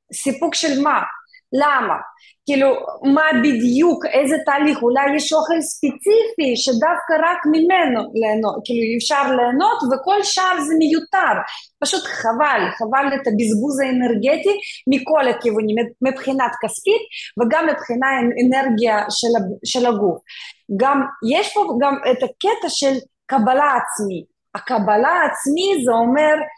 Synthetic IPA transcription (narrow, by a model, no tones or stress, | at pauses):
sipukʃelma | lamɐ̰ | kʲiːlumabid̪jukejzɛt̪aːliχulajːɛʃoχelspet͡sifʲiʃɛd̪afkɐɾakmʲɪmɛnolenokiːluifʃaɾleːno̞t̪vɛko̞lʃavzɛmejut̪ar | paʃut̪χavalχavalet̪ɐbizbuzaenerɡet̪ʲimikolakʲivunʲimmipχinakaskʲit̪veɡamːipχinaeneɾɡʲijaʃelaʃelaɡufɡamjeʃpoɡamɛt̪akɛt̪aʃel | kɐbalaːt͡smi | akɐbalaːt͡smizɛomeɾ